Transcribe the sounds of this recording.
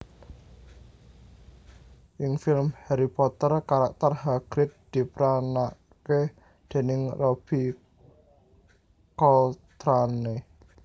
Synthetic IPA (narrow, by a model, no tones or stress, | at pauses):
ʔɪŋfɪlmheɾipɔt̪ərkaɾak̚t̪ərɦaɡ̥ɾɪt̪̚d̪̥i̤pɾana | ke | d̪̥e̤nɪŋrob̥i̤ | kɔt̪ɾane